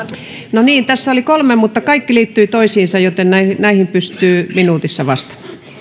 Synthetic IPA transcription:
noniːnt̪æsːæolikolmemut̪ːɑkɑikːiliːt̪ːyit̪oisiːnsɑjjot̪ennæinæihimpyst̪yːminuːt̪isːɑʋɑst̪ɑ̥mɑ̥

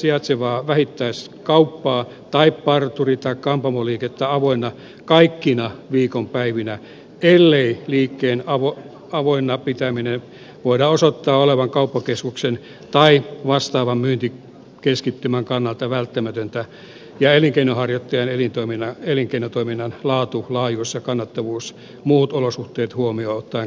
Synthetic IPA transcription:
siɑt̪seʋɑːʋæhit̪ːæis | kɑupːɑː | t̪ɑippɑrt̪urit̪ɑikkɑmpɑmoliːket̪ːæɑʋoinːˑɑ | kɑikːinɑʋiːkompæiʋinæ | elːeiliːkːeːnɑʋo | ɑʋoinːɑpit̪æminen | ʋoidɑːosot̪ːɑːoleʋɑŋkɑupːɑkeskuksen | t̪ɑiʋɑst̪ɑːʋɑmmyːnt̪i | keskit̪ːymæŋkɑnːɑlt̪ɑʋælt̪ːæmæt̪ønt̪æ | jɑeliŋkeinohɑrjot̪ːɑjɑnelint̪oiminːɑeliŋkeinot̪oiminːɑnlɑːt̪ulɑːjuisjɑkɑnːɑt̪ːɑʋuːs | muːt̪olosuht̪eːt̪huomioːot̪ːɑi

